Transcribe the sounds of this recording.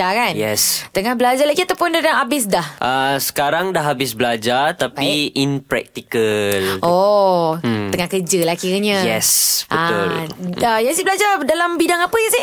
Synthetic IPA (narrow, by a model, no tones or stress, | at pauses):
akanjɛst̪əŋahbəlad͡ʒalaɡiat̪awpʊndaaabɪs̬dahʔəsə̥kaɾaŋdaɦabɪsblad͡ʒart̪apiʔinpɾɛ̰k̚t̪ikəlʔo | t̪əŋahkəd͡ʒəlakiɾəɲəjɛsbʔəat̪ʊləjasibəlad͡ʒadalambidaŋapəjasi